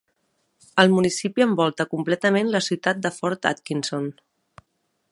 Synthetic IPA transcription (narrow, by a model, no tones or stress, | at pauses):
əlˠmunisipiəmbɔlˠt̪əkumplɛt̪əmenləsiwt̪at̪̚d̪əfɔɾt̪a̰t̪kinson